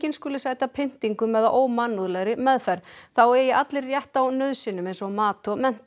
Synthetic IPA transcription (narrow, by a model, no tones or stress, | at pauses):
cɪnskʏːlʏsaːjt̪apʰɪn̥t̪iŋkʏmːɛðaʔoːwmanːuðlɛɣɾɪmɛðfɛɾðθawɛɾjɛʔat̪lɪrːjɛht̪awnœðsɪnːʏmejnsɔmaːt̪ɔmɛn̥t̪